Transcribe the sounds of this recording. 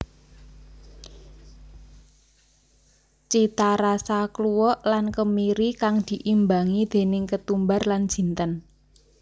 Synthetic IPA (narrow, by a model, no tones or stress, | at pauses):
t͡ʃit̪aɾasakluwɔʔlankəmiɾikaŋd̪̥i̤ʔimbaŋid̪̥e̤nɪŋkət̪umbarlan̥ʒ̥i̤nt̪ən